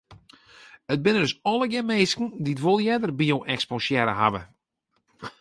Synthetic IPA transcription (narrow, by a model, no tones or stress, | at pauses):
ət̚bɪnədøsɔləɡɛmeːskn̩ditʋolˠjɛdərbioʔɛkspoʃjɛɾə̰ɦa̰və̰